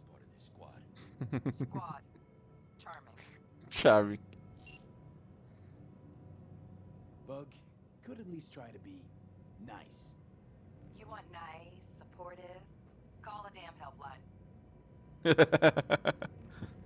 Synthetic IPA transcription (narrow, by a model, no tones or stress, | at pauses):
sə̥pʰɔ̰ɹɾɨdɨskwɑ̰d̥ | kd̥̚ | t͡ʃʰɑɹmɪ̰̃ | t͡ʃʰɑɹmɪ̃ŋ | b̥ʌk | kʰɨɾɨtˡlistʰɹ̥aɪɾɨbi | na̰ɪs | jɨwɑ̃nːaɪsəpʰɔɹɾɪv̥ | kʰɔlˠədæ̃mhɛlˠplãɪ̃n